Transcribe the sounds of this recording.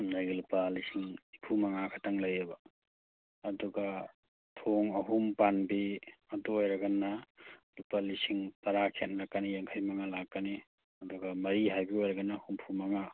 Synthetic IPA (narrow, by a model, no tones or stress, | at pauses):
najɡilupalisiŋipʰumɐŋakʰataŋlɐjeba | ɐduɡa | tʰoŋɐɦumpanbiɐduojɾɐɡɐnːalupalisiŋtɐɾakʰenlakːanijaŋkʰajmaŋalakːani | ɐduɡamɐɾiɦajbiojɾɐɡanːahumpʰumɐŋa